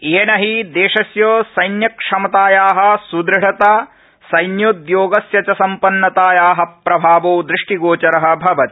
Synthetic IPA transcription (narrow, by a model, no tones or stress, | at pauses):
eːnɐɦid̪eːʃɐsjoːsɐjnjɐkʂɐmɐt̪aːjaːɦɐ̆sud̪ɾɪɽɐt̪aː | sɐjnjud̪joːɡɐsjɐt͡ʃɐsɐmpɐnːɐt̪aːjaːɦɐ̆pɾɐbʱaːʋoːd̪ɾɪʂʈiɡoːt͡ʃɐɾɐɦɐ̆bʱɐʋɐt̪i̥